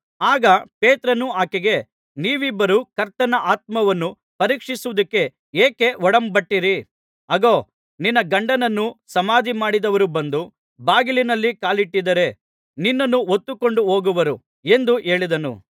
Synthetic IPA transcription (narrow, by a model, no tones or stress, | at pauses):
aːɡɐpeːt̪ɾɐnuaːkeɡe̞ | niːʋibːɐɾukɐɾt̪ɐnɐʔaːt̪̚mɐʋɐnːu | pɐɾiːkʂisuʋud̪ɐkːe̞ | eːke̞ɔɽɐmbɐʈːiɾi | ɐɡoː | ninːɐɡɐɳɖɐnɐnːusɐmaːd̪ʱimaːɽid̪ɐʋɐɾubɐnd̪u | baːɡilinɐlːikaːliʈːid̪ɐɾe̞ | ninːɐnːuot̪ːukoɳɖuɦo̞ːɡuʋɐɾu | e̞nd̪uʔe̞ːɭid̪ɐnṵ